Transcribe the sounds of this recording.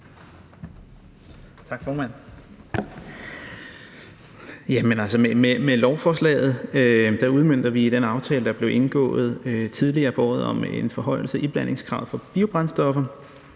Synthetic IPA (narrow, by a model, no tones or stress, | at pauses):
t͡sʰɑ̈ɡ̥fɒːmæn̰ | jæmenælsəmememelɒʊfɒːslɛ̰ːð̩ˠød̥ɑuð̞ˠmøn̰d̥ɐʋid̥enɑ̈ʊt͡sʰɛːləd̥ɑ̈b̥le̝ʊʔe̝nɡ̥ɔ̰̽ːð̞̩ˠøt͡sʰið̞ˠliɐːb̥ɒːð̞̩ˠɒ̽mḛnfɒ̽ɦɒ̽ɪl̩səʔib̥læn̰e̝ŋskʰʁɑ̰̈ʊð̩ˠfɒ̽b̥iʊb̥ʁɑ̈nsd̥ɒ̽fɐ